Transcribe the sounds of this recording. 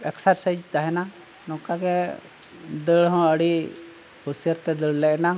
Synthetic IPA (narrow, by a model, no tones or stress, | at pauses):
ɛksaɾsəd͡ʒt̪aɦɛna | nɔ̃kaɡɛ | d̪əɽɦɔ̃əɽi | husijəɾt̪ɛd̪əɭlɛʔna